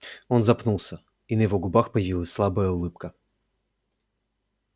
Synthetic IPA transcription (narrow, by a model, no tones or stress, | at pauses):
o̞nzɐpnulˠsʲə | inəjɪvo̞ɡʊbaxpəjɪvʲilˠəsʲslˠabəjəʊlˠɨp̚kə